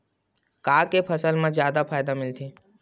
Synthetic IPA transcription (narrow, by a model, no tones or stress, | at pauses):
kaːkepʰəsəlmãzjaːd̪apʰaːjd̪amɪlt̪ʰiː